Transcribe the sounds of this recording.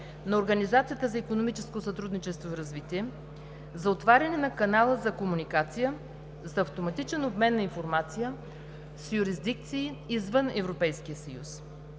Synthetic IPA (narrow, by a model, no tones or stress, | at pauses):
nɐoɾɡɐnizat̪sijət̪əzɐikonomit͡ʃɛskosɐt̪ɾud̪nit͡ʃɛst̪voiɾɐzvit̪iɛ | zɐot̪vaɾʲɐnɛnɐkɐnalˠəzɐkomunikat̪sijə | zɐːft̪omɐt̪it͡ʃɛnobmɛnːɐinfoɾmat̪sijə | sjuɾizd̪ik̚t̪siːzvənɛvɾopɛjskijəsɐjṵs